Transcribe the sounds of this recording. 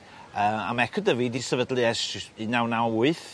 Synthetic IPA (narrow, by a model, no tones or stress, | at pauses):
əːma̰mɛkʰɔdəvidisɛvədlˠiɛsinawnawʊɨθ